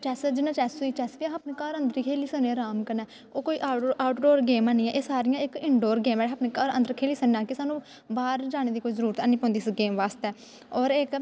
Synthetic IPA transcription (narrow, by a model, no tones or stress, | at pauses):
t͡ʃɛːsd͡ʒɪnãːt͡ʃɛːsuiːt͡ʃɛːsʋiãaːpneːkaɾənd̪əɾiːkʰeːliːsəneːɾaːmkənɛː | oːkoːiːʔaːʊʈɖoːɾɡeːmãːnĩːɛːʔeːsaːɾɪjãːɪkɪɳɖoːɾɡeːmɛːɽaːpneːkəɾə̰̃nd̪əɾkʰeːliːsəãːkɪsaːnũː | baːɾd͡ʒaːneːd̪iːkoːiːzəɾuːɾət̪aniːpɔ̃ːnd̪iːsɡeːmʋaːst̪ɛː | ɔːɾek